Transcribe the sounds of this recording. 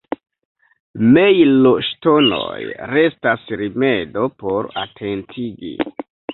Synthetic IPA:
me̞jloʃto̞no̞̰jɾe̞stasɾime̞do̞po̞ɾa̰tʰe̞ntʰiɡḭ

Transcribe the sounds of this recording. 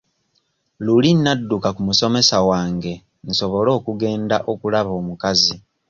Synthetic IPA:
lulinːadːukakumuso̞me̞sawaːŋɡe̞ | nso̞βo̞lo̞ːkuɡe̞ːndaʔo̞kulaβo̞ːmukazi

